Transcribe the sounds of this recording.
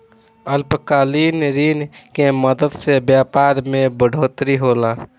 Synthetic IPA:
əlpkaːliːnɾiːnkeməd̪əd̪sebjaːpaːɾmẽbəɽʱoːt̪ɾiɦoːlaː

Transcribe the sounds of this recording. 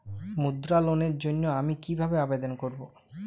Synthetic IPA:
mud̪ɾaloneɾd͡ʑonːoamikibʱabeabed̪onkoɾbo

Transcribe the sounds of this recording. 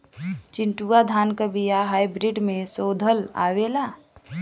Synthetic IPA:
t͡ʃɪɳʈuad̪ʱaːnkəbijaɦajbɾiɖmẽsod̪ʱəla̰wela

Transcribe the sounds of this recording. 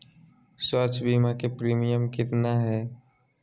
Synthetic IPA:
swat͡ʃʰbiːmakepɾiːmijəmkɪt̪naɦɛː

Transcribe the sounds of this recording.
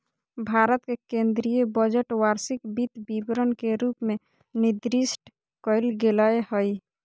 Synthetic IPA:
bʱaɾət̪kekẽnd̪ɾijebəd͡ʒəʈwaɾsikbit̪bibɾənkeɾupme | nid̪ɾisʈ | kəɪlɡelaehəj

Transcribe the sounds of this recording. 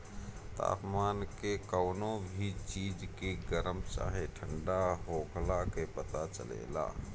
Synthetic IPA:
t̪a̰ːpmaːnkekəʊnobʱit͡ʃiːd͡ʒkeɡəɾəmt͡ʃa̰ːɦeʈʰəɳɖaɦoːkʰlakepət̪at͡ʃə̰lḛːla̰ː

